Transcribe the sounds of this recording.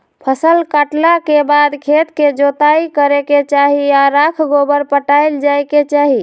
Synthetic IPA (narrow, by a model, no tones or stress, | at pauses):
pʰəsəlkaʈlakebad̪kʰet̪ked͡ʒot̪aikəɾeket͡ʃaɦiaɾakʰɡobəɾpəʈajld͡ʒajket͡ʃaɦi